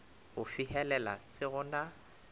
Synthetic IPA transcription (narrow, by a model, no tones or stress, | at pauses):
ɣʊfihɛlɛla̰sɪɣʊna